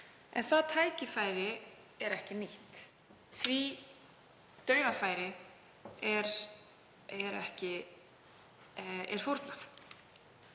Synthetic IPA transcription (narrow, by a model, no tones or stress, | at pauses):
ʔɛ̰nθaðt̪ʰaːjcɪfaːjɾɪ | ɛɾɛhcɪniht̪ | θvi | t̪œːɥɣafaːjɾɪ | ɛɾ | ɛɾɛhcɪ | ɛ̰ɾ̥fuɾt̪naθ